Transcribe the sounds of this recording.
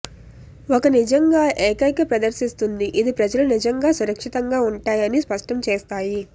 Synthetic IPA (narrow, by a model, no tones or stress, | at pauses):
okɐnid͡ʒɐŋɡaːʔeːkɐkɐpɾɐd̪ɐɾʃist̪und̪iʔid̪ipɾɐd͡ʒɐlɐnid͡ʒɐŋɡaːsuɾɐkʂit̪ɐŋɡaːuɳʈaːjɐnispɐʂʈɐmt͡ʃeːst̪aːji